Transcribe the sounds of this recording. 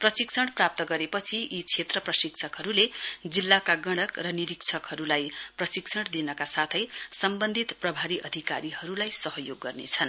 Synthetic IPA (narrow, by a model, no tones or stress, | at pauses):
prʌsiksʰʌɽprap̚t̪ʌɡʌɾepʌt͡sʰiit͡sʰet̪rʌprʌsiksʰʌkɦʌɾuled͡zilːakaɡʌɽ̃ʌkrʌniɾikt͡sʰʌkhʌɾulajprʌsiksʰʌɽd̪inʌkasat̪ʰʌjsʌmbʌnd̪ʱit̪prʌbʱaɾiʔʌd̪ʱika̰ɾiɦʌɾulajsʌɦʌjoɡːʌrnḛt͡sʰʌn